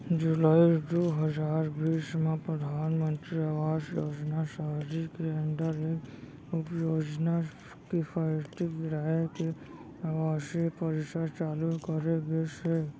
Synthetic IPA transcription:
d͡ʒulaːid̪oːɦəd͡ʒaːɾbiːsmẽpɾəd̪ʱaːnmə̃nt̪ɾiaʋaːsjoːd͡ʒnasaɦd͡ʒikeə̃nɖ̪əɾek | ʊpjoːd͡ʒna | kipʰaɪɾt̪iɾaeke | aʋaːsepəɾɪsaɾt͡ʃaːlukəɾeɡese

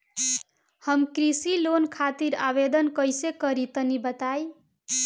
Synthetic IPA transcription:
hʌmkɾisilonkʰat̪iɾa̰bed̪ənkʌjsekʌɾit̪ʌnibət̪aj

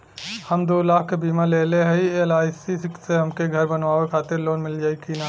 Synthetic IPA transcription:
həmd̪oːlaːkʰkebiːmaleːleɦɛielaːjsiskseɦəmkeɡʱəɾbənʋaːʋekʰaːt̪ɪɾloːnmɪld͡ʒaːikina

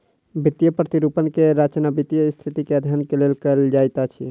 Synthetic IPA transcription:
bit̪jəpɾət̪iɾupənkeɾat͡ʃnabit̪jəst̪ʰit̪ikeəd̪ʱjənkelelkəld͡ʒajt̪at͡ʃʰḭ

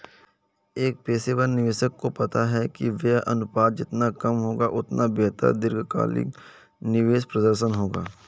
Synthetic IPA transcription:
eːk̚peːseʋəɾnɪʋeːʃəkːopɐt̪aɦɛkiʋɛɐ̰nʊpaːd̪d͡ʒɪt̪nakɐmɦoːɡaʔʊt̪nʔabeːt̪ə̰ɾd̪ɪɾɡʱka̰ːlɪ̰k | nɪʋeːʃpɾɐd̪əɾʃ̬ənɦoːɡa̰ː

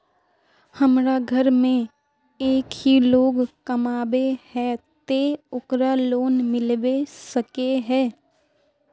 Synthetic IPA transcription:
həmɾaɡʱəɾmẽ | eːkɦiloːɡkəmaːbehɛt̪eʊkɾaloːnmɪlʋesəkeɦɛː

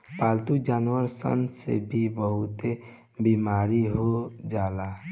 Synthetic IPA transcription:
palt̪ud͡ʒanwəɾsə̰nsḛbʱibəɦut̪e | bimaɾiɦod͡ʒala

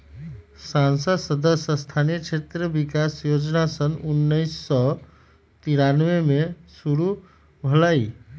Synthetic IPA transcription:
sansəd̪səd̪əsəst̪ʰanijət͡ʃʰet̪ɾəbikasjod͡ʒnasənunːəjsːɔ | t̪iɾanʋemesuɾu | bʱəlai

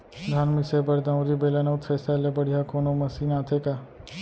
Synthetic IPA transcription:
ɡʱaːnmɪsebɐɾd̪ãuɾibeːlanaʊt̪ʰesalebɐɽ̤ijakoːnomɐsiːnãːt̪ʰeka

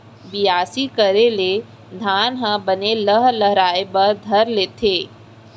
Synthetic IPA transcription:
bɪjaːsikəɾele | d̪ʱaːnɦãbəneləɦləɦɾaːebɐɾd̪ʱɐɾleːt̪ʰeː

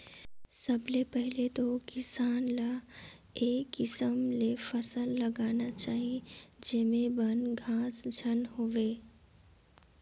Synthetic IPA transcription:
səblepɛɦɪlet̪okɪsaːnla | eːkːɪsəmlefəsəlːəɡaːnat͡ʃaːɦid͡ʒeːmẽbənɡʱãːsd͡ʒʱənɦoʋeː

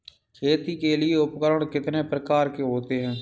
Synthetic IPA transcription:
kʰeːt̪iːkeːlɪeːʊpkəɾəɳ̃kɪt̪neːpɾəkaːɾkeːɦoːt̪eːɦɛ̃ː

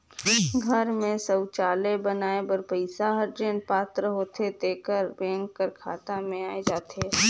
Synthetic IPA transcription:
ɡʱəɾmẽsəwt͡ʃaːlebənaːebəɾpəɪsaɦəɾd͡ʒenpaːt̪ɾəɦoːt̪ʰet̪eːkəɾbɛ̃ːŋkːəɾkʰa̰ːt̪amẽaːed͡ʒaːt̪eː

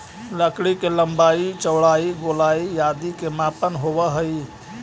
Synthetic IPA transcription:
ləkɽikeləmbait͡ʃəwɽaiɡolaijad̪ikemapənɦobəɦəi

